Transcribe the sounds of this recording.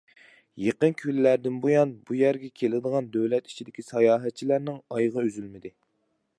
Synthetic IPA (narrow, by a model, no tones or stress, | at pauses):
jeqənkʲʰyllæɾd̪ɪnbojɑnbujæɾɡʲɛkʲʰelɪd̪əʁɑnd̪øwlɛt̪i̥t͡ʃʰid̪ɪkʲisɑjɑːɦɛt̪̚t͡ʃʰːilæɾnɪŋɑjʁɑøzylmɪd̪ɪ